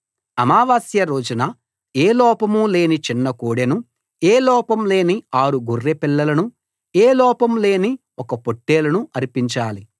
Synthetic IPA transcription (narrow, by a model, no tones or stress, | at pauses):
ɐmaːʋaːsjɐɾo̞ːd͡ʒunɐ | eːlɔːpɐmule̞ːnit͡ʃinːɐkoːɽenu | eːlɔːpɐmle̞ːniaːɾuɡurːepilːɐlɐnu | eːlɔːpɐmle̞ːni | ɔkɐpoʈːe̞ːlɐnuɐɾipiɲt͡ʃaːli